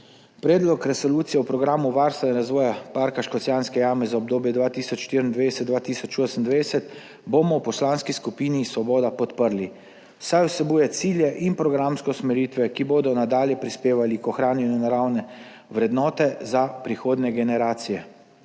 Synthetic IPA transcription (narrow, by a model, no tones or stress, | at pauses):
pɾɛːd̪lɔkɾɛsɔluːt̪sijɛwpɾɔɡɾaːmuʋaɾst̪ʋɛnɛɾazʋɔːjapaɾkaʃkɔt̪sjaːnskɛjaːmɛzaɔbd̪oːbjɛd̪ʋaːt̪iːsɔt͡ʃʃːt̪iːɾənd̪ʋesɛd̪d̪ʋaːt̪iːsɔt͡ʃoːsənd̪ʋeɛsɛt̪ | bomɔwpɔslaːnskiskupiːnisʋɔbɔːd̪apɔt̪pəɾli | wsajwsɛbuːjɛt̪siːljɛʔinpɾɔɡɾamskɛsmɛɾiːt̪ʋɛkiboːd̪ɔnad̪aːljɛpɾispeːʋalikɔxɾaːnjɛnjunaɾawnɛ | ʋɾɛd̪nɔːt̪ɛzapɾixoːd̪nɛɡɛnɛɾaːt̪sijɛ